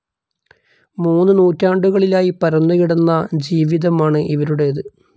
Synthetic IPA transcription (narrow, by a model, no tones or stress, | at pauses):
muːnːɨnuːtːaːɳɖuɣɐɭilaːjipɐɾɐnːɐɣiɽunːɐd͡ʑiːʋiðɐmaːɳɨʔiʋɐɾuɽe̞ɐðɨ